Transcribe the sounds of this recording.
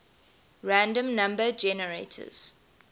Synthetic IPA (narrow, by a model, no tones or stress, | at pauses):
ɹæ̃ndə̃mnãmbəd͡ʒɛnəɹetʰə̰z̥